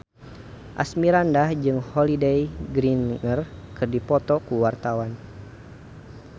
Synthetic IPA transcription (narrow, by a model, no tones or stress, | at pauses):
ʔa̰smiɾandahd͡ʒɨŋhɔlidejɡɾinŋərkɨrdipɔt̪ɔkuwart̪awan